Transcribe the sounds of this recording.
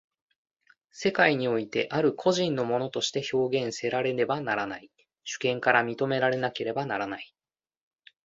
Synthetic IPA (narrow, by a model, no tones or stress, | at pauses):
se̞kaiɲ̟io̞it̪e̞̰ʔaɾɯ̟kʰo̞ʑĩnːo̞mo̞no̞t̪o̞ɕi̥t̪e̞ço̞ːɡẽ̞ɰ̃se̞ɾaɾe̞ne̞banaɾanai | ɕɨ̥kẽ̞ŋkaɾamʲit̪o̞me̞ɾaɾe̞nake̞ɾe̞banaɾanai